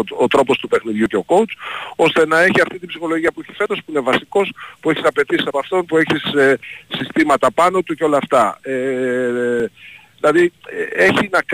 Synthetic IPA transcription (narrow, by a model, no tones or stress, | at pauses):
ot̪ɾo̞po̞st̪upe̞xniðʝuce̞o̞ko̞ut͡so̞st̪e̞nɐe̞çiɐft̪it̪ibsixo̞loʝiɐpueçi̥fe̞t̪ospuinevɐsiko̞spue̞çisɐpe̞t̪isi̥sɐpɐft̪o̞npue̞çiseːist̪imɐt̪ɐpɐno̞t̪uce̞o̞lɐːft̪ɐe | ðilɐðieçinɐk